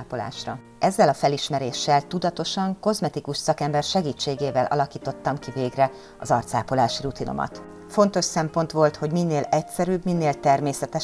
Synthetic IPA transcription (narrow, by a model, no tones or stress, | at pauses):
pola̰ːʃrɒ | ʔɛzːɛlɒfɛliʃmɛɾeːʃːɛlt̪ud̪ɒt̪o̞ʃɒŋko̞zmɛt̪ikuʃsɒkɛmbɛrʃɛɡiːt͡ʃːeːɡeːvɛlʔɒ̰lɒkiːt̪o̞t̪ːɒmkiveːɡrɛ | ɒ̰zɒrt̪sa̰ːpolaːʃirut̪ino̞̰mɒ̰t̪ | fo̞nt̪o̞ʃsɛmpo̞nt̪ʋo̞lt̪ho̞ɟminːeːlɛcsɛɾybminːeːlt̪ɛrmeːsɛt̪ɛ